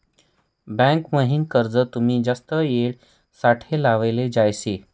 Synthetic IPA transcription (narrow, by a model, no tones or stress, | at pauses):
bɛ̃ŋkməɦinkəɾd͡zət̪um̤iːd͡zast̪əjeɭ | saʈʰelaʋeled͡ʑajse